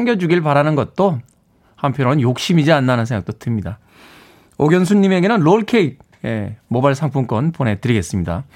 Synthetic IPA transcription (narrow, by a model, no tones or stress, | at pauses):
ŋɡjʌd͡ʑuɡiɭpaɾanɯnɡʌt̚t͈o | hampʰjʌnɾonjok̚ɕ͈imid͡ʑianːanɯnsʰeŋɡak̚t͈otɯmɲida | oɡjʌns̬ʰuɲːime̞ɡe̞nɯnloɭkʰeik̚ | emobaɭsʰaŋpʰuŋk͈wʌnpone̞tɯɾiɡe̞s͈ɯmɲida̰